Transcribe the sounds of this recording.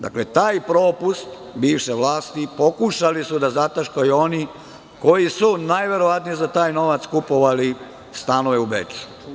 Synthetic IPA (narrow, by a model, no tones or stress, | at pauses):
d̪a̰kle̞t̪aːjpɾo̞ːpust̪ | biːʋʃeʋlaːst̪ipo̞kuʃalisud̪azat̪aʃkajuo̞ni | ko̞jisunaːjʋe̞ɾo̞ʋat̪nijezat̪aːjno̞ʋat̪skupo̞ʋali | st̪anoʋeubḛt͡ʃu̥